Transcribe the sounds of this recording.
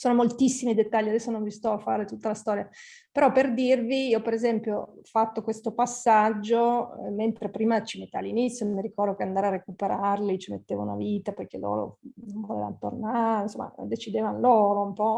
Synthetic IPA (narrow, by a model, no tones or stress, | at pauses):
soːnomolt̪isːimid̪et̪ːaʎːiad̪ɛsːonoɱvist̪ɔfaːɾet̪ut̪ːalast̪ɔːɾjapeɾɔperd̪irviiːɔpeɾezɛmpjofat̪ːokwest̪opasːad͡ʒːoment̪ɾepɾiːmat͡ʃimet̪ːalːinit̪sjomiɾikɔrd̪okeand̪aːɾearekupeɾarlit͡ʃimḛt̪ːeːva̰una̰viːt̪apojk̟elo̰ːɾo̰noɱvolḛva̰nt̪o̰rnaɾenso̰mːa̰d̪et͡ʃid̪eːvanloːɾoumpɔ